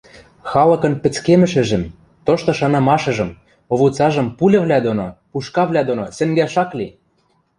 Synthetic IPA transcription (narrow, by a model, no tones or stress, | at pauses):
xɑlɤ̆kɤ̆npɘ̆t͡skemɘ̆ʃɘ̆ʒɘ̆m | t̪oʃt̪ŏʃɑnɑmɑʃɤ̆ʒɤ̆m | oβut͡sɑʒɤ̆mpulʲɘ̆βlʲæd̪onopuʃkɑβlʲæd̪onosɘ̆ŋɡæʃɑkli